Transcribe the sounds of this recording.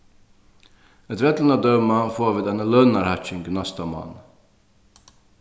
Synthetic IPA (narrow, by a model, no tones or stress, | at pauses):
ɛt̪vɛt̪l̩nəd̪œmɑfoːʋiːd̪ɛnəlœnɑɾhɑt͡ʃɪŋɡnɑst̪ɑmɑ̰n